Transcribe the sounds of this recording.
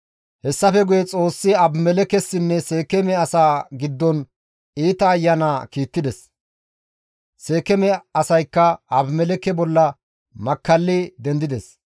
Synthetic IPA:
hɛsːɐfɛɡʊjɛt͡sʼo̞ːsːɪɐbmɛlɛkɛsːɪnːɛseːkɛmɛɐsaːɡɪd̪ːɔn | iːt̪ɐːjːɐnaːkiːt̪ːɪd̪ɛs | se̞ːkɛmɛɐsɐjkːɐɐbmɛlɛkɛbɔlːɐ | mɐkːɐlːɪd̪ɛnd̪ɪd̪ɛs

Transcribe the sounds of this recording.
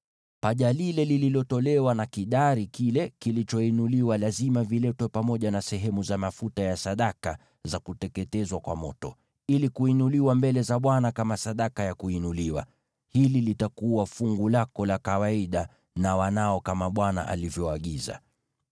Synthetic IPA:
paʄalilɛlililɔtɔlɛwanakiɗaɾikilɛkilit͡ʃɔinuliwalazimavilɛtwɛpamɔʄanasɛɦɛmuzamafutajasaɗaka | zakutɛkɛtɛzwakwa̰mɔtɔ | ilikuinuliwambɛlɛzaɓwanakamasaɗakajakuinuliwa̰ | hililitakuwafuŋɡulakɔlakawaiɗa | nawanaɔkamaɓwana̰ʔa̰livjɔaɠiza̰

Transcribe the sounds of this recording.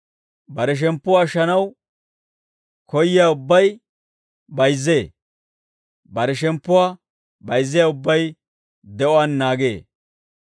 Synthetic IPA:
bɐɾɛʃ̬ɛmpːʊwaːʃɐnɐw | kɔjːɪjaːʊbːɐj | bɐjzːe̞ː | bɐɾɛʃ̬ɛmpːʊwaː | bɐjzːɪjaːʊbːɐj | d̪ɛʔɔwanːaːɡe̞̰ː

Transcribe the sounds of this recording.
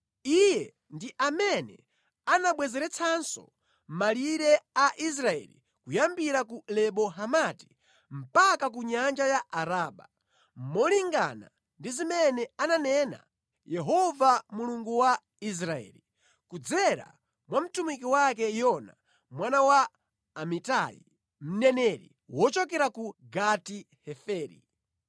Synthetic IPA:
ijɛ | ndiʔamɛnɛ̰ | anaɓwɛzɛɾɛt͡sʰansɔ̰ | maliɾɛaʔis̬ɾaɛ̰lḭ | kujambiɾakulɛɓɔɦamati̥ | m̩pakak̬uɲand͡ʒajaaɾaːɓa̰ | mɔliŋɡa̰na̰ | ndizimɛnɛananɛna̰ | jɛɦɔvamuluŋɡuwa | is̬ɾaɛ̰ːli | kud͡zɛɾa̰ | mwam̩tumik̬iwakɛjɔna̰ | mwanawaː | mitajḭ | m̩nɛnɛɾḭ | wɔt͡ʃɔkɛɾakuɡati | hɛfɛːɾḭ

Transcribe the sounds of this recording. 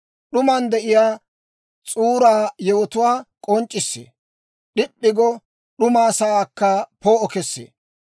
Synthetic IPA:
ɗʊmand̪ɛʔɪjaː | t͡sʼuːɾaːjɛwɔt̪ʊwaːkʼɔnt͡ʃʼːɪsːḛː | ɗɪpːɪɡɔ | ɗʊmaːsɐaːkːɐpoːɔkɛsːḛː

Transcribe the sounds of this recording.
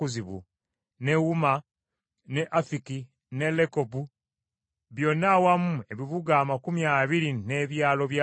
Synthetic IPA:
uziβṵ | ne̞wuma | ne̞ʔafiki | ne̞lekobu | βjo̞nːawamue̞βiβuɡaːmakumjaːβiɾine̞βjaːlo̞βja

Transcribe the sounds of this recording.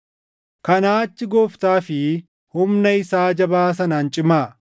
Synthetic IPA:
kɐnaːt͡ʃːɪɡɔːft̪aːfɪ | hʊmnɐɪsaːd͡ʒɐbaːs̬ɐnaːnt͡ʃʼɪmaː

